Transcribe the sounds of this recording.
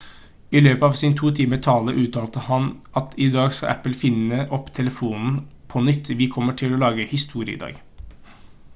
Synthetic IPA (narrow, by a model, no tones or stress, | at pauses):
ɪløːpəɑːʋsɪnt̪ʰuːt̪ʰiːmət̪ʰɑːləʔʉːt̪ʰɑːlt̪əhɑnʔɑt̪ʰɪd̪ɑːɡskɑ̰ʔæ̰pl̩fɪnəʔɔpːt̪ʰɛləfuːnn̩pʰɔnʏt̪ːʋɪkʰɔmːəʈʰɪlɔlɑːɡəhɪst̪ʰuːɾɪə̰ɪ̰ːd̪ɑ̰ːɡ